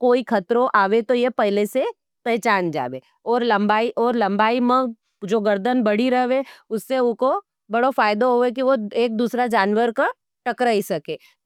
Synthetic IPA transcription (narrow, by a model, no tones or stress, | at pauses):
koːikʰɐt̪ɾõʔaːʋet̪ojepɛɦlese | pɛɦt͡ʃaːnd͡ʒa̰ːʋe | ɔːɾlɐ̃mbaːiʔɔːɾlɐ̃mbaːimə̃ | d͡ʒoːɡɐɾd̪ənbɐɽ̤iɾɐɦʋeʊsːeʊko | bɐɽofaːjɪd̪oɦoek̬iʋoeːk̚d̪uːsɾad͡ʒaːnʋəɾka | ʈɐkɾaisɐkeː